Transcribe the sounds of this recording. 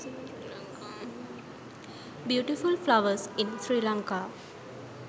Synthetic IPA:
bjuːʈifulflaʋəɾsĩnsɾilãŋka

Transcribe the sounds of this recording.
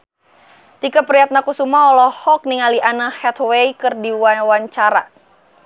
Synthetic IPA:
t̪ikapəɾiat̪̚nakusumaɔlɔhɔk̚niŋaliʔanahɛt̪wejkɨrdiwawaɲt͡ʃaɾa

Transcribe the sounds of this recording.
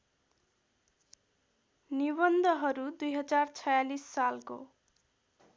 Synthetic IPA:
nibʌnd̪ʱʌɦʌɾud̪ujɦʌd͡zart͡sʰʌjalisːalko̰

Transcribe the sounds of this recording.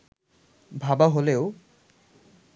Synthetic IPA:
bʱabaɦoleo

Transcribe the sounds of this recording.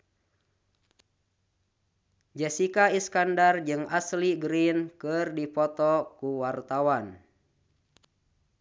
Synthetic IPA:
d͡ʒɛsikaiskandard͡ʒɨŋasliɡɾinkɨrdipɔt̪ɔkuwart̪awan

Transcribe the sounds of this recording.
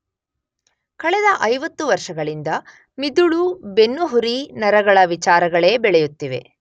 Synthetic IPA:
kɐɭɛd̪ɐʔɐjʋɐt̪ːuʋɐɾʂɐɡɐɭind̪ɐ | mid̪uɭubenːuɦuɾinɐɾɐɡɐɭɐʋit͡ʃaːɾɐɡɐɭe̞ːbɛɭɛjut̪ːiʋe̞̰

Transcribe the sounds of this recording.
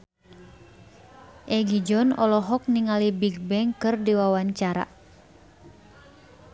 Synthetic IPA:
ʔɛɡid͡ʒɔnɔlɔɦɔk̚niŋalibiɡ̚bɛŋkɨrdiwawaɲt͡ʃaɾa̰

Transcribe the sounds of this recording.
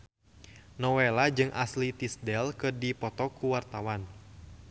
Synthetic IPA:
nɔwɛlad͡ʒɨŋʔaslit̪isdɛlkɨrdipɔt̪ɔkuwart̪awan

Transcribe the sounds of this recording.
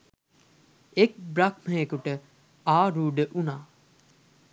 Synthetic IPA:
ek̚bɾak̚məɦekuʈə | aːɾuːɖəʔunaː

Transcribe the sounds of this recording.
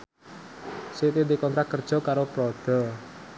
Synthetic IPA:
sit̪ind̪ikɔnt̪ɾak̚kərd̥ʒ̥ɔ̤kaɾopɾɔd̪̥ɔ̤

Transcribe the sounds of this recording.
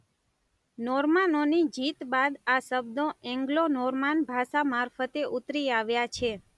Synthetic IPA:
nɔɾmanonid͡ʒit̪bad̪asəbd̪õɛ̃ŋɡlonɔɾmanbʱaʃamaɾfət̪eʔut̪ɾiaʋjat͡ʃʰe

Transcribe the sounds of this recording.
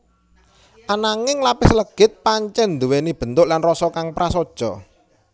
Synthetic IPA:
ʔanaŋɪŋlapɪsləɡ̥ɪt̪̚paɲt͡ʃɛnd̪uwenib̥ə̤nt̪ʊʔlanrɔsɔkaŋpɾasod̥ʒ̥ɔ

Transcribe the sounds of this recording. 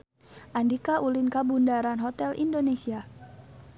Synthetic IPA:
ʔandikaʔulɪnkabundaɾanɦɔt̪ɛlʔḭndonesia

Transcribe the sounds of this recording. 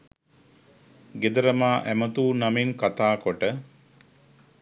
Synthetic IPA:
ɡed̪əɾəmaːʔæmət̪uːnamiŋkat̪aːkoʈə

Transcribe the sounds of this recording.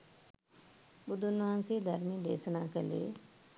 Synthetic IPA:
bʊd̪ʊnʋaːnsed̪ʱəɾmĩːd̪ḛːsnaːkelḛː

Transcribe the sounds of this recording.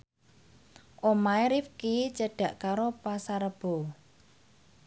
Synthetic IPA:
ʔomaeɾifkit͡ʃəɖ̥a̤ʔkaɾopasaɾəb̥o̤

